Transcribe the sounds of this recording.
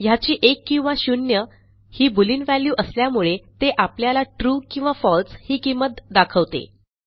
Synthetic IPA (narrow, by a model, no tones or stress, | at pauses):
jat͡ɕiːʔekːĩw̃ʋaɕunjə | hiːbuliːnʋæljuːʔəsljamuɭet̪eʔapljalaʈɾuːkĩw̃ʋafɔlshiːkimːət̪d̪akʰəʋt̪ḛ